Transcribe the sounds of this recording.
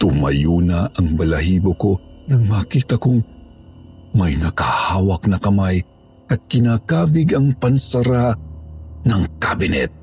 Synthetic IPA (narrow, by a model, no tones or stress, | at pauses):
t̪ʊmɐ̰juːnaʔɐŋbɐlɐhiːbokonɐɡmaːkiːt̪ɐkʊŋ | mɐjnɐkahaːwɐk̚nɐkɐmaj | ɐt̪̚kɪnaːkaːbɪɡɐŋpɐnsɐɾa | nɐŋkabɪnɛ̰t̪̚